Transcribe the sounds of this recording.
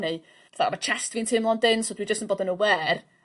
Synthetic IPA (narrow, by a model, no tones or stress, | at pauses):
ni | vaθa̰mat͡ʃʰɛstviːntʰɪmlˠɔndɪnsodwid͡ʒəstənbɔːdənəwɛːr